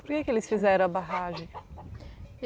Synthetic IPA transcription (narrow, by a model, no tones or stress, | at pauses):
poɾkekɪelɪsfizɛɾɐ̃ɐbaɦaʒẽj̃